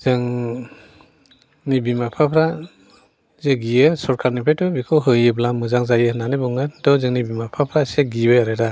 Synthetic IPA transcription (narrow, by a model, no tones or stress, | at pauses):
zɯŋ | nibimapʰapʰɾa | zeɡijɯsɔɾkʰaɾnipʰajtɔbikʰɯwɦɯjɯblamɯzaŋzajɯnanɯbɔŋandɔzɯŋnibimapʰapʰɾaseɡibɯjaɾeda